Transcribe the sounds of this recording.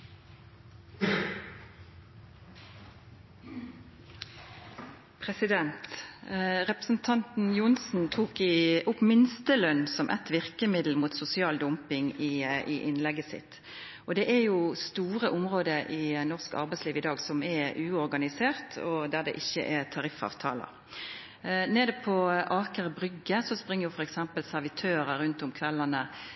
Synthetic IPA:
pʰʁɛsɪd̪ɛnt̪ | ʁɛpʁəsn̩t̪ʰɑnt̪n̩jʊnsn̩t̪ʰuːkɪʔʊpmɪnst̪əlœnːsɔmʔɛ̰t̪ʋɪʁkəmɪd̪l̩muːt̪sʊsɪɑːld̪ʊmpɪŋiiʔɪnlɛɡəsɪ̰t̪ | ɔd̪ɛʔæɾjʊst̪uːɾəʔʊmʁoːd̪əʔɪnɔʁskɑ̰ɾbɛɪsliːʋɪd̪ɑːɡsɔmɛʉːɔɾɡɑnɪseːʁt̪ʰɔd̪æʁd̪ɛ̰ʔɪçːə̰ʔɛt̪ʰɑɾɪfɑ̰ːʋt̪ʰɑ̰ːlə̰ | neːd̪əpʰɔʔɑːkəʁəbɾʏɡːəsɔspʁɪŋːəʁjʊfɔɾɛksɛmpəlsæʁʋɪt̪ʰøːɾəɾʉnt̪ʊmkʰʋɛlːɑnə

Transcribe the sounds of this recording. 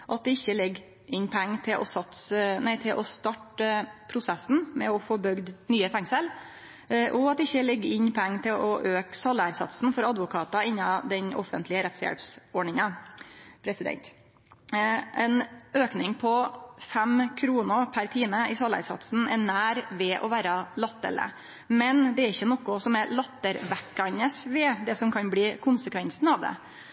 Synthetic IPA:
ʔɑt̪̚d̪ɛɪçːəlɛɡ | ʔɪɲpʰɔɛŋːt̪ʰɪlʔɔsɑt̪snæɪt̪ʰɪlʔɔst̪ɑʈəpʰɾʊsɛsn̩mɛɔfɔbʏɡd̪nyːəfɛŋsəl | ʔɔɑt̪̚d̪ɛɪçːəlɛɡːɪɲpʰɔɛŋːt̪ʰɪlʔɔʔøːksɑlːæɾsɑ̰t̪sn̩fɔɾɑd̪ʋʊkʰɑːt̪ɑɪɲːɑd̪ɛɲʔɔ̰fə̰nt̪ʰlɪəɾɛt̪sjɛ̰lpsɔɖɳɪŋɑ | pʰɾɛsɪd̪ɛ̰nt̪ | ʔɛnøːknɪŋpʰɔfæmkʰɾuːnəɾpʰæɾt̪ʰiːməɪsɑlæ̰ɾsɑ̰t̪sn̩ɛɳæːɾʋɛʔɔʋæːɾɑlɑt̪ːə̰lə̰ | mɛnd̪ɛæɾɪçːənɔkʊsɔmɛɾlɑt̪ːəɾʋækːɑnəsʋɛd̪ɛsɔmkʰɑnbliːkʰʊnsəkʰʋɛnsn̩ɑʋd̪ɛ̰

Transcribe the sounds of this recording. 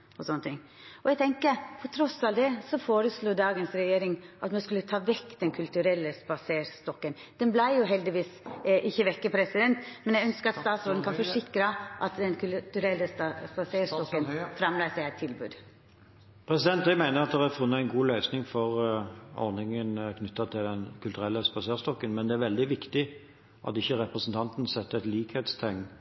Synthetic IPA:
ɔsɔnːət̪ʰɪŋː | ɔɛɡt̪ʰɛŋkəpʰɔt̪ʰɾɔsɑld̪ɛsɔfoːɾəsluːd̪ɑːɡənsɾɛjeːɾɪŋʔɑt̪mɛskʉlːət̪ʰɑːʋɛkːd̪ɛnkʰʉlt̪ʉɾɛlːəspɑseːɾst̪ɔkːən | d̪̥ɛnblæɪjʊɦɛld̪ɪʋiːsʔɪçːəʋɛkːəpʰɾɛsɪd̪ɛnt̪mɛnjæɡœnskəɾɑt̪st̪ɑːt̪sɔːɾd̪n̩kʰɑnfɔʂɪkːɾəʔɑt̪d̪ɛnkʰʉt̪ʉɾɛlːəspɑseːɾst̪ɔkːənfɾɑmlæːsæɪæɪt̪ʰːɪlbʉ̰ːd̪ | pʰʁɛsɪd̪ɛnt̪d̪æɪmæɪnəʁɑt̪d̪ɛʁæfʉnːəæɪnɡuːlœʏsnɪŋfɔʁɔ̰ʁnɪŋənkʰnʏt̪ːɑt̪ʰɪld̪ɛnkʰʉlt̪ʉɾɛlːəspɑseːʁst̪ɔkːənmɛnd̪ɛæɾʋɛld̪ɪʋɪkt̪ɪ | ʔɑ̰t̪ɪçːəɾɛpʁəsn̩t̪ʰɑnt̪n̩sɛt̪ːɛt̪liːkhet̪st̪ʰɛŋn

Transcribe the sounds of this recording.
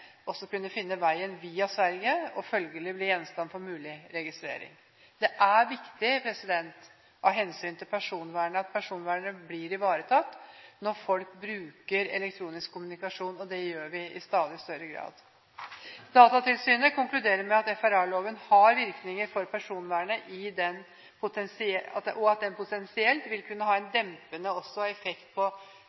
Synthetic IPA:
ɔsːɔkʉnːəfɪnːəʋæɪənʋiːɑsʋæɾɡəɔfœlɡəlɪbliːjɛnst̪ɑnfɔɾmʉːlɪɾɛɡɪst̪ɾḛːɾɪ̰ŋ | d̪̥ɛʔæɾʋɪkt̪ɪpʰɾɛsɪd̪ɛnt̪ | ɑɦɛnsyːnt̪ʰɪlpʰæʂuːnʋæːɳəɑt̪̚pʰæʂuːnʋæːɳəbliːɾɪʋɑːɾət̪ʰɑt̪ːnɔɾfɔlk̚bɾʉːkəɾɛ̰lɛkt̪ʰɾuːnɪskʰːʊmʉnɪkɑʂuːnɔd̪ɛjøːɾʋɪɪst̪ɑːd̪ɪst̪œɾəɡɾɑ̰ːd̪ | d̪̥ɑːt̪ɑt̪ɪlsyːnəkʊŋklʉd̪eːɾəɾmɛɑt̪ɛfæɾæloːʋənhɑɾʋɪɾknɪŋəɾfɔɾpʰæʂuːnʋæːɳəʔɪd̪ɛn | pʰʊt̪ʰɛnsɪɛɑ̰t̪ʔɔɑt̪̚d̪ɛnpʊt̪ɛnsɪɛlt̪ʋɪlkʰʉnːəɦɑːɛnd̪ɛmpənəɔsːɔhɑɛfɛkt̪̚pʰɔ

